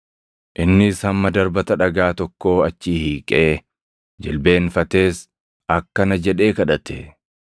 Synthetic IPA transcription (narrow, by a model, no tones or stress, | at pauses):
ʔɪnːɪshɐmːɐd̪ɐɾbɐt̪ɐᶑɐɡaːt̪ɔkːo̞ːɐt͡ʃːiːhiːkʼe̞ː | d͡ʒɪlbe̞ːnfɐt̪e̞ːs | ɐkːɐnɐd͡ʒɛᶑe̞ːkɐᶑɐt̪e